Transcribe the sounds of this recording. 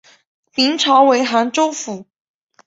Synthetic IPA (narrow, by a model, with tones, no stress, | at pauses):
mi˧˥ŋʈ͡ʂʰɑ˧˥ʊwe˧˥ɪxa˧˥nʈ͡ʂo˥ʊfu˨˩˦